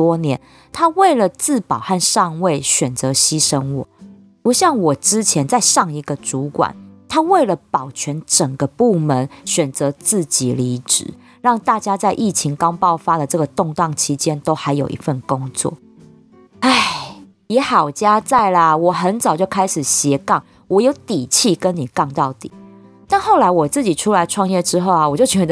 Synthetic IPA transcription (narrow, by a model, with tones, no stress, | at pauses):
ɔ˦njɛ˨˧˦n | t̪ʰa˦we˥˩ɪlə˨t͡sɹ̩˥˨pɑ˨˩ʊxa˥˧nʂɑ˥˧ŋwe˥˨ɪɕɥɛ˨˩nt͡sɤ˨˦ɕi˦˥ʂə˦nwɔ̰˨˩ | pu˨˧˥ɕjɑ˥˩ŋwɔ˨˩ʈ͡ʂɻ̩˦t͡ɕʰjɛ˧˦nt͡sa˥˧ɪʂɑ˥˩ŋi˧˥ɡə˨ʈ͡ʂu˨˦kwa̰˨˩˦nt̪ʰa˥we˥˩ɪlə˨pɑ˨˩ʊt͡ɕʰɥɛ˨˥nʈ͡ʂə˨˩ŋɡə˨˦pu˥˩mə˧˦nɕɥɛ˨˩nt͡sɤ˨˧˦t͡sɹ̩˥˩t͡ɕi˨˩˦li˧˥ʈ͡ʂɻ̩̰˨˩˦ | ɻɑ˥˧ŋt̪a˥˨t͡ɕja˥t͡sa˥˧ɪʔi˥˩t͡ɕʰi˧˦ŋkɑ˥ŋpɑ˥˨˩ʊfa˦d̪ə˨ʈ͡ʂɤ˥˩ɡə˨˩t̪ʊ˥˧ŋt̪ɑ˥˩ŋt͡ɕʰi˧˥˦t͡ɕjɛ˦nt̪o˥ʊxa˧˥ɪjo˨˩ʊʔḭ˧˦fə˥˩nkʊ˦˥ŋt͡swɔ̰˥˨˩ | a˥˨˩ɪ | jɛ˨˥xɑ˨˩ʊt͡ɕja˦t͡sa˥˩ɪlə˩wɔ˨˩xə˧˦nt͡sɑ˨˩ʊt͡ɕjo˥˩ʊkʰa˥ɪʂɻ̩˨˩ɕjɛ˧˦kɑ˥˩ŋ | wɔ˨˩jo˧˥ʊt̪i˨˩t͡ɕʰi˥˨kə˦nni˨˩kɑ˥˧ŋt̪ɑ˥˩ʊt̪ḭ˨˩˦ | na˥˧nxo˥˩ʊla˧˥ɪwɔ˨˩t͡sɹ̩˥˩t͡ɕi˨˩ʈ͡ʂʰu˥la˧˦ɪʈ͡ʂʰwɑ˥˧ŋjɛ˥˨ʈ͡ʂɻ̩˥xo˥˩ʊa˨wɔ˨˩t͡ɕjo˥˩ʊt͡ɕɥɛ˧˥d̪